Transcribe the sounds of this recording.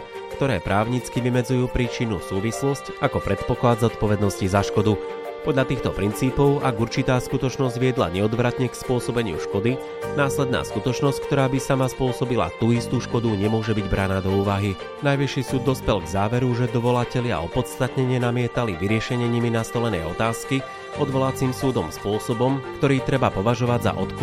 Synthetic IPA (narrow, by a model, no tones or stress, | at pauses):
kt̪ɔɾɛːpɾaːʊɲit͡skiʋimɛd͡zujuːpɾiːt͡ʃinusuːʋislɔscakɔpɾɛt̪pɔklad̪zɔt̪pɔʋɛd̪nɔscizaʃkɔd̪u | pɔd̪ʎat̪iːxt̪ɔpɾint͡siːpɔʊʔaɡuɾt͡ʃit̪aːskut̪ɔt͡ʃnɔzɟʋɪɛd̪la̰ɲɛɔd̪ʋɾat̪ɲɛkspʊɔsɔbɛɲɪṵʃkɔd̪i | naːslɛd̪̚na̰ːskut̪ɔt͡ʃnɔsckt̪ɔɾaːbisamaspʊɔsɔbila̰t̪uːist̪uːʃkɔd̪uɲɛmʊɔʒɛbiɟbɾanaːd̪ɔuːʋaɦi | najʋiʃisuːd̪ːɔspɛlɡzaːʋɛɾuʒɛd̪ɔʋɔlacɛʎɪa̰ɔpɔt̪st̪at̪ɲɛɲɪɛnamɪɛt̪aliʋiɾɪɛʃɛɲɛɲiminast̪ɔlɛnɛ̰jɔt̪aːski | ɔd̪ʋɔlat͡siːmsuːd̪ɔmspʊɔsɔbɔmkt̪ɔɾiːt̪ɾɛbapɔʋaʒɔʋaɟza̰ʔɔt̪k